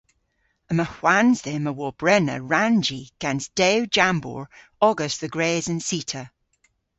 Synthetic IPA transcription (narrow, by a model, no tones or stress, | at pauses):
əməhw̥anzðɛməwɔb̥ɹɛnə̰ɹand͡ʒiɡ̥ɛ̃nsd̥ed͡ʒãmbɔ̰ːɹ | ɔɡəsðəɡɹeːzə̃nsiˑtʰə